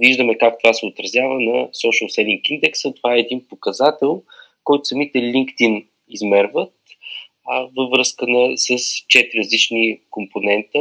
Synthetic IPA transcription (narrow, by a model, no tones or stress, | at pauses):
viʒd̪əmɛkak̚t̪ovasɛot̪ɾɐzjavənɐsɔʃəlˠsɛlʲiŋkind̪ɛksət̪ovaɛːd̪inpokɐzat̪ɛlˠ | kɔjt̪ʊ̥sɐmit̪ɛlʲiŋkt̪in | izmɛɾvət̪̚ | vəvɾɤskənɐsəst͡ʃɛt̪ɾiɾəzlit͡ʃnikomponɛnt̪ə